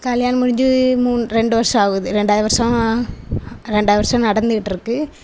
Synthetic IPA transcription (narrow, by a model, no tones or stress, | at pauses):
kɐljaːnɐmʊɻɪɲd͡ʒɯmuːnɾɛɳɖɯʋɐɾʂɐ̃maːɣɯðɯɾɛɳɖaːðɯʋɐɾʂɐ̃ | ɾɛɳɖaːðɯʋɐɾʂɐ̃mnɐɽɐnd̪ɯʋɪʈːɪɾɯkːɯ